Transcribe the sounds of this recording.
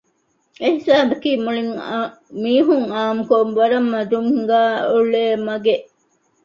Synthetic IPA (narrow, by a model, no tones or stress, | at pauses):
eɦisaːbɐkiːmuɭiŋ | miːɦuŋaːmukoʋɐɾɐmːɐd̪uŋɡæːuɭeːmɐɡeʔ